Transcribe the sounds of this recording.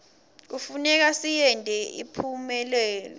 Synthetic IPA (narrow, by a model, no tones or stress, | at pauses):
k̬ufunɛk̬asijɛndʱʼɛʔḭpʰumɛlɛːlɔ̰